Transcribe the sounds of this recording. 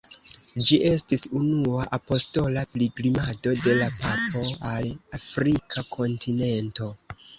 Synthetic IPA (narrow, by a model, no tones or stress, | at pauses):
d͡ʒiʔe̞stisunuaʔapo̞sto̞lapliɡlimado̞de̞lapapo̞alafɾikʰakʰo̞ntʰine̞nto̞